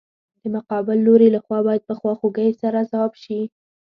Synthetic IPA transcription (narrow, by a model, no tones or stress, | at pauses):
d̪̥əmʊqɑbɪlːoɾelaxwɑbɑjad̪̚pəxwɑxoɡəjsaɾazawɑbʃi